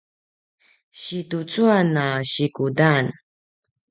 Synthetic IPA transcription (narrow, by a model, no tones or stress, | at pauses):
ɕitut͡suanaɕikudan